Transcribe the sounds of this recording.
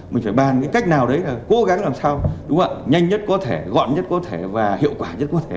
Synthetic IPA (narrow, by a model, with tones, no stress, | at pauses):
mï˨˩ŋ̟faː˧˩ɓaː˨˩nkaː˨˦jka˦˥jk̚naː˨˩wɗə˨˦jlaː˨˩ko˨˦ɣa˨˦ŋlaː˨˩msaː˧wɗʊ˨˦ŋ͡mʔa̰ː˧˨ɲa˧jŋɲə˦˥t̚kɔ˨˦t̪ʰe˧˩ɣɔ̰˧˨nɲə˦˥t̚kɔ˨˦t̪ʰe˧˩vaː˨˩hḭ˧˨əwkwaː˧˩ɲə˦˥t̚kɔ˨˦t̪ʰe˧˩